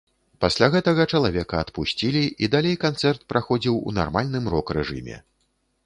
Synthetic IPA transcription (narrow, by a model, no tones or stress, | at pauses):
pasʲlʲaɣɛt̪ɐɣɐt͡ʂɐlˠavʲɛkɐːt̪pusʲt͡sʲilʲiid̪alʲejkant̪sɛrt̪̚pɾʔaxɔd͡zʲiwṵna̰rmalʲnɨmrɔkrɛʐɨ̰mʲɛ̰